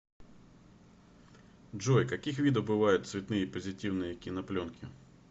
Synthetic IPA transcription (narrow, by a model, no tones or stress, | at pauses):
d͡ʒɔjkɐkʲixʋʲid̪ɔbɪʋɑjʊtʲsʲʋʲit̪nɪjipɔzʲɪtʲiwnɪjjɐkʲinɐplʲɔnkʰʲɪ̰